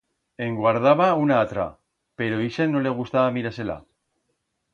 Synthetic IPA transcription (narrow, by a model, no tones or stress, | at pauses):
e̞ŋɡwaɾðaβaunaːt̪ɾa̰ | pe̞ɾo̞iʃenːole̞ɣ̞ust̪aβamiɾase̞la̰